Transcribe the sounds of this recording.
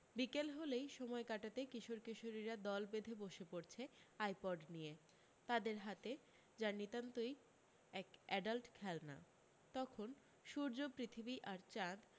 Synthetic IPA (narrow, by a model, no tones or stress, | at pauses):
bikelɦolejʃɔmɔekaʈat̪ekiʃoɾkiʃoɾiɾad̪ɔlbed̪ʱeboʃepoɾt͡ɕʰeajpɔɖnije | t̪ad̪eɾɦat̪e | d͡ʑaɾnit̪ant̪oj | ɛkɛɖalʈkʰɛlna̰ | t̪ɔkʰon | ʃuɾd͡ʑopɾit̪ʰibiʔaɾt͡ɕad̪